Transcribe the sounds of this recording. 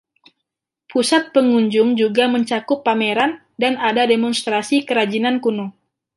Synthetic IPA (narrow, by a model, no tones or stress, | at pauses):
pusat̪̚pəŋuɲd͡ʒʊŋd͡ʒuɡaməɲt͡ʃakʊpːameɾan | danadademɔnst̪ɾasikəɾad͡ʒinankunu